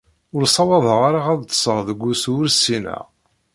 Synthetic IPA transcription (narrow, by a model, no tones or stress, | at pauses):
ʊɾsˤɑwɑðˤʁaɾaaðˤt̪ːsˤəʁðəɡʷːusʊɾsinæ̰ʁ